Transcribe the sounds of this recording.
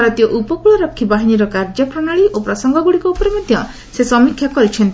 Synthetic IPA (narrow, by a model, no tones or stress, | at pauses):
aɾɔt̪ijɔʔupɔkuɭɔɾɔkʰːibaɦiniɾɔkaɾd͡ʒɔpɾɔɽ̃aɭiʔopɾɔsɔŋɡɔɡuɽikɔupɔɾemɔd̪ʱjɔ | sesɔmikʰːjakɔɾit͡ʃʰɔnt̪i